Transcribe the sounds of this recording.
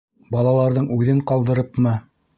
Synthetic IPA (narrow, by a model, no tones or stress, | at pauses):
bɑlˠɑlˠɑɾðɤɴʉðɘɴqɑlˠd̪ɤ̆ɾɤpmɤ